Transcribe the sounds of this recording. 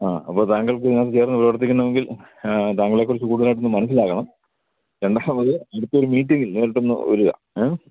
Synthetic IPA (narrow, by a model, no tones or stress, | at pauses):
aːɐ̰pːoːt̪aːŋɡɐɭkɨɲaːt͡ɕeːrɐnːɨprɐʋɐrt̪̬ikʲːunːɐʋeŋɡil | t̪aːŋɡɐɭekːoɾusukuːɽðlaːiʈ̬ːonːɨmɐnɐs̬ːilaːɣɐɳɐm | ɾe̞ɳɖaːmɐðɨɐɽut̪ːɐo̞ɾumiːʈːiŋɡilneːɾʈːonːɨ̰ʋɐ̰ɾuɣɐ̰